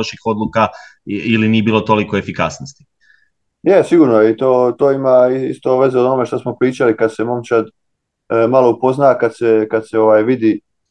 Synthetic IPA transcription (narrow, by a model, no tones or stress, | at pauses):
oʃixo̞d̪lukailiniebiːlot̪o̞likoefikasnost̪i̥ | jesiɡuːɾnoeit̪oːt̪oːimaiḭst̪o̞ʋe̞zeoonome̞ʃt̪asmo̞pɾiːt͡ʃalikad̪se̞mo̞mt͡ɕad̪ | maloupo̞znakad̪se̞kad̪̥se̞o̞ʋaːjʋid̪i